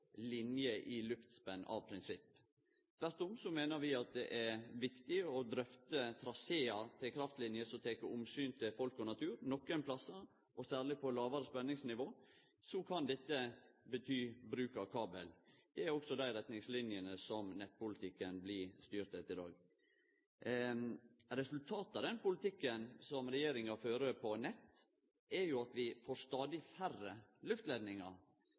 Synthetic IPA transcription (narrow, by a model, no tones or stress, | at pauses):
lɪnjəʔɪlʉpt̪spɛnɑ̰ʋpʰɾɪnsɪpː | t̪ʋæɾt̪ʊmsɔmeːnəɾʋɪɑt̪̚d̪ɛʔæɾʋɪkt̪ɪɔd̪ɾœft̪ət̪ʰɾɑseːɑt̪ʰɪlkʰɾɑft̪lɪnjəsɔt̪ʰeːkəʊmsyːnt̪ʰɪlfɔlkɔnɑt̪ʰʉːɾnɔkːɛnpʰlɑsːɑ | ʔɔsæːɾlɪpʰɔlɑːʋɑɾəspɛnːɪŋsnɪʋoː | sɔkʰɑnd̪ɛt̪ːəbət̪ʰyːbɾʉːkɑkʰɑːbə̰ld̪̥ɛæɾɔksɔd̪æɪɾɛt̪nɪŋslɪnjənəsɔmnɛt̪̚ːpʊlɪt̪ʰɪkːənblɪst̪yːɾt̪ət̪ɪd̪ɑ̰ːɡ | ɾɛsʉlt̪ʰɑːt̪ɑd̪ɛnpʊlɪt̪ɪkːənsɔmɾɛjeːɾɪŋɑføːɾəpʰɔnɛt̪ː | ɛɾjʊɑt̪ʋɪfoːɾst̪ɑːd̪ɪfærːəlʉft̪lɛd̪nɪŋɑ̰ɾ